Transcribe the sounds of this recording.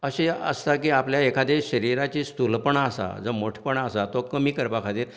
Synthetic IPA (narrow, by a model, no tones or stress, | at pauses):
əɕeə̰st̪akiːapljaekʰad̪eɕəɾiɾat͡ɕiːst̪ulpəɳasa̰d͡zəmoʈʰpəɳasat̪okəmiːkəɾpakʰat̪iːɾ